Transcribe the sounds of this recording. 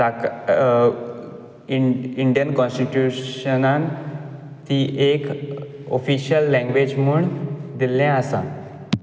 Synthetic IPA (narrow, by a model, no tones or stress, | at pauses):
a | iiɳɖijənkɔ̃nsʈiʈjuənãn | t̪iːʔek | o̰fiɕjəlːɛ̃ŋɡʋed͡ʑmuɳd̪ilɛ̃əsã̰